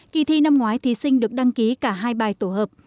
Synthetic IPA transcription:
ki˧˩t̪ʰi˧na˧mŋwaː˨˦jt̪ʰi˧˩sï˧ŋ̟ɗɨ˨˩ək̚ɗa˧ŋki˨˦kaː˧˩ɦaː˧jɓaː˨˩jt̪o˧˩həː˨˩p̚

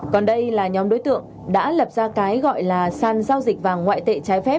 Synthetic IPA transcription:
kɔ˨˩nɗə˧jlaː˨˩ɲɔ˨˦mɗo̰˨˦jt̪ɨ̰˧˨əŋ | ɗa̰ː˧˥lə˨˩p̚zaː˧kaː˨˦jɣɔ̰˧˨jlaː˨˩saː˧˩nzaː˧wzi˨˩k̚vaː˨˩ŋwa̰ː˧˨jt̪ḛ˧˨t͡ɕaː˨˦jfɛ˦˥p̚

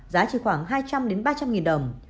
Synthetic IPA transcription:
zaː˨˦t͡ɕi˧˩xwaː˧˩ŋɦaː˧jt͡ɕa˧mɗe˨˦nɓaː˧t͡ɕa˧mŋi˨˩nɗə˨˩ŋ͡m

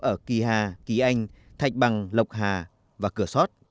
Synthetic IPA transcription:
ʔəː˧˩ki˨˩ɦaː˨˩ki˨˩˦ʔa˧jŋ̟ | t̪ʰa˨˩jk̚ɓa˨˩ŋlə˨˩wk͡p̚ɦaː˨˩ | vaː˨˩kɨ˧˩əsɔ˦˥t̚

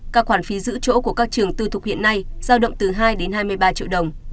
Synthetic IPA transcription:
kaː˦˥k̚xwaː˧˩nfi˨˦zɨ̰˧˥t͡ɕo̰˧˥ku˧˩əkaː˦˥k̚t͡ɕɨ˨˩əŋt̪ɨ˧t̪ʰʊ˨˩k͡p̚hḭ˧˨ənːa˧jz̥aː˧wɗə̰˧˨wŋ͡mt̪ɨ˨˩ɦaː˧jɗe˨˦nhaː˧jmɨ˧əjɓaː˧t͡ɕḭ˧˨wɗə˨˩wŋ͡m

